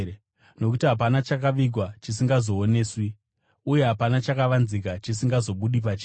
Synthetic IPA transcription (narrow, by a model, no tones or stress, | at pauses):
no̞kutiɦap̬anat͡ʃakaʋiɡʱwat͡ʃis̬iŋɡazo̞ːne̞ːswi | uje̞ɦapanat͡ʃakaʋanzik̬at͡ʃisiŋɡazo̞ɓuɗip̬at͡ʃi̥ː